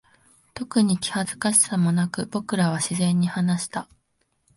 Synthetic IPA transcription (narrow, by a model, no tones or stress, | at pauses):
t̪o̞kɯ̟ɲ̟ikʲi̥hazɨ̥kaɕi̥samo̞nakɯ̟b̥o̞kɯ̟ɾaβ̞aɕizẽ̞ɲ̟ːihanaɕi̥t̪a